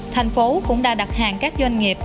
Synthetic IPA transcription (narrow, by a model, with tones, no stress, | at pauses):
t̪ʰa˨˩jŋ̟fo˨˦kʊ̰˧˥ŋ͡mɗa̰ː˧˥ɗa˨˩t̚haː˨˩ŋkaː˦˥k̚zwa˧jŋ̟ŋi˨˩əp̚